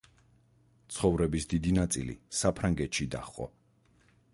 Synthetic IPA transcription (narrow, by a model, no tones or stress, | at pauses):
t̪sʰχɔvɾɛbisd̪id̪inat̪sʼḭlḭsapʰɾaŋɡɛt̪ʃid̪aχqʼɔ̰